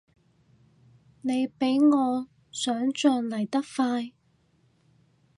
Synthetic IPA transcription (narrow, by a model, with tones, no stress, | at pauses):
ne˨˧jpe˨˥jŋɔː˨˧ | sœː˨˥ŋt͡ʃœː˧nlɐ˨˩jt̪ɐ˥k̚faː˧j